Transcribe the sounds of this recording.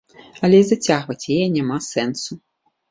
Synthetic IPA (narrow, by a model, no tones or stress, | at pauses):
ɐlʲɛizat͡sʲaɣvɐt͡sʲjajɛnʲamasɛnsu